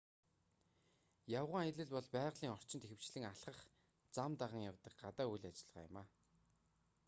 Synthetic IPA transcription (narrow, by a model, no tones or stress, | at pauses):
jawʁə̆ŋaj̆ɮɘ̆ɮpɔɮpæːʁɮiːŋɔr̥t͡ɕɪ̆nt̪exɘ̆w̥t͡ɕɮɘ̆ŋaɬχə̆χ | t͡samt̪aʁə̆ŋjawt̪ə̆k̚ɢat̪aːujɮat͡ɕɪ̆ɮʁa̰ːjʊ̰maː